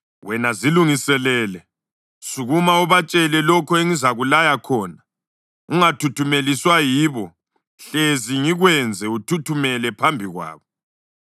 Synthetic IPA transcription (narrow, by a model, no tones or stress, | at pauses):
wɛnaziluŋisɛlɛːlɛ | suɣumauβat͡ʃʼɛlɛlɔkʰɔeŋizaɣulajakʰɔːna | uŋatʰutʰumeliswajiːβɔ | ɬeziŋiɣwɛnd͡zʱɛutʰutʰumɛlɛpʰambʱiɣwa̰ːβɔ